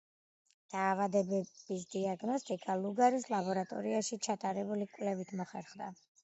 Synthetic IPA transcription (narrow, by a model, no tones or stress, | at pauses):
d̪̥aːvad̪ɛbɛbis̬d̪iaɡnɔst̪ʼikʼaluɡaɾislˠabɔɾat̪ʼɔ̰ɾiaʃit͡ʃʰat̪ʼaɾɛbulikʼwlɛvit̪ʰmɔχɛɾχd̪a